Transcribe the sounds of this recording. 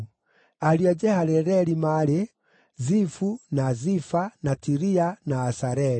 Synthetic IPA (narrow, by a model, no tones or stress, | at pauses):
aɾiad͡ʒɛhaɾɛɾɛɾimaɾe | zifunazifanatiɾianaːsaɾɛɾi